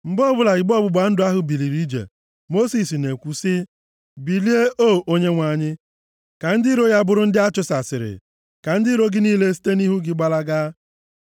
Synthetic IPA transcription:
m̩˨bɔ˦bʊ˦la˨i˨ɡ͡bɔ˦bʊ˨ɡ͡ba˨˦n̩˦dʊ˨a˦ɦʊ˨bi˨li˨ɾi˦d͡ʒḛ˨ | mo˦si˨sne˨kʷu˨sɪ˦ | bi˨li˦e˦oː˦˨ʔo˦ɲe˦ŋʷa˨ɲɪ˦ | ka˨n̩˦di˦ɾo˦ja˦bʊ˦ɾʊ˦n̩˦dɪ˦a˦t͡ʃʊ˦sa˨sɪ̰˨ɾɪ̰˨ | ka˨n̩˦dɪ˦ɾo˦ɡɪ˦niː˦le˦si̥˦te˦ni˦ɦu˦ɡɪ˦ɡ͡ba˦la˦ɡaː˦

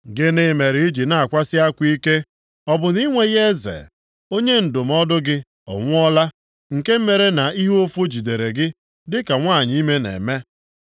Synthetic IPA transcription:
ɡɪ˦ne˦me˨ɾi˦d͡ʒi˨na˨a˨kʷa˦sɪ˦a˦kʷi˦ke˦ | ɔ˦bʊ˨ni˦ŋʷe˦ɣe˦zḛ˨ | o˦ɲe˦n̩˨dʊ˨m̩˦ɔ˦dʊ˦ɡɪ˦ | ɔ̰˨ŋʷʊ˦ɔ˦la˦ | ŋ̩˨ke˦m̩˦me˨ɾe˦na˨i˦ɦo˦fo˦d͡ʒi˨de˨ɾe˨ɡɪ˦ | dɪ˦ka˨ŋʷa˦˨ɲ˦i˦me˦nḛ˨me˦

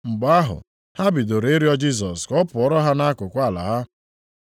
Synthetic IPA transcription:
ŋ͡m̩˨ɡ͡ba˨a˦ɦʊ̰˨ | ha˦bɪ˨do˨ɾe˦e˦ɾi˦ɔ˦d͡ʒi˦s̬ɔ˨skɔ˦pʊ˨ɔ˦ɾɔ˦ɦa˦na˦kʊ˨kʷa˦˨la̰˨ɦa˦

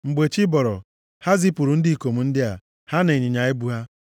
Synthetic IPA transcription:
ŋ͡m̩˨ɡ͡be˨t͡ʃi˦bɔ˨ɾɔ̰˨ | ha˦zi˦pu˨ɾu˨n̩˦dɪ˦˨ko˨mu˨n̩˦dɪ˦a̰˨ | ha˦ne˨ɲi˨ɲa˨ɪ˦bu˦ɦa˦

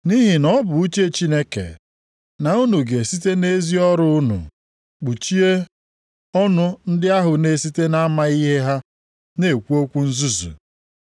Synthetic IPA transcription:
ni˦ɦi˨nɔ˦bʊ˨u˦t͡ʃe˦˨t͡ʃi˦ne˦kḛ˨ | na˨u˦nu˨ɡe˨si˦te˦ne˦zi˦ɔ˦ɾʊ˦nṵ˨ | k͡pu˨t͡ʃi˦e˦ | ɔ˦nʊ˦n̩˦dɪ˦a˦ɦʊ˨ne˨si˦te˦na˦ma˦i˦ɦe˦ɦa˦ | ne˨kʷu˦o˦kʷu˦n̩˦zu˦zṵ˨

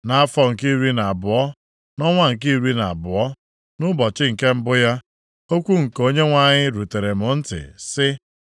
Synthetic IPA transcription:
na˦a˦fɔ˦ŋ̩˨ki˦ɾi˦na˨a˨bʊ˨ɔ˦ | nɔ˦ŋʷa˦ŋ̩˨k̬i˦ɾi˦na˨a˨bʊ˨ɔ˦ | nʊ˦bɔ˨t͡ʃɪ˦ŋ̩˨ke˦m̩˦bʊ˦ja˦ | o˦kʷu˦ŋ̩˨ko˦ɲe˦ŋʷa˨ɲɪ˦ɾu˨te˨ɾe˨mʊ˨n̩˦tɪ̰˨sɪ˦

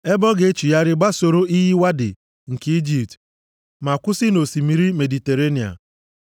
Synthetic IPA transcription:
e˦bɔ˦ɡe˨˦t͡ʃu˨ja˦ɾɪ˦ɡ͡ba˦so˨ɾo˦i˦ɦi˦wa˦dɪ̰˨ | ŋ̩˨ki˦d͡ʒi˨pt | ma˨kʷʊ˦sɪ˦no˨si˨mi˨˦ɾi˦me˨di˨te˨ɾe˦ni˨a̰˨

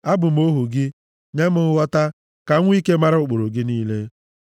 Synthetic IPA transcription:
a˦bʊ˨m̩˦o˦ɦu˨ɡɪ˦ | ɲe˦mʊ˦wɔ˦ta˦ | ka˨ŋʷ˦i˦ke˦ma˦ɾʊ˨ʊ˨k͡po˨ɾo˨ɡɪ˦niː˦le˦

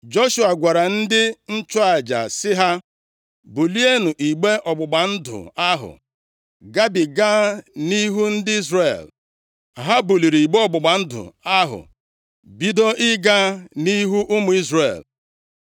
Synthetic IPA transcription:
d͡ʒo˦ʃu˨a˨ɡʷa˨ɾa˨n̩˦dɪ˦n̩˦t͡ʃʊ˦a˨d͡ʒa̰˨sɪ˦ɦa˦ | bu˨li˦e˦nu˨ʔi˨ɡ͡be˦ʔɔ˨ɡ͡bʊ˨ɡ͡ba˨n̩˦dʊ̰˨a˦ɦʊ̰˨ | ɡa˦bi˨ɡa˦ni˦ɦu˦n̩˦dɪ˦i˦zre˨l | ɦa˦bu˨li˨ɾi˨i˨ɡ͡be˦ɔ˨ɡ͡bʊ˨ɡ͡ba˨n̩˦dʊ̰˨a˦ɦʊ̰˨ | bi˦do˦ʔɪ˦ɡa˦ni˦ɦu˦ʔʊ˦mʊ˨i˦zre˨l

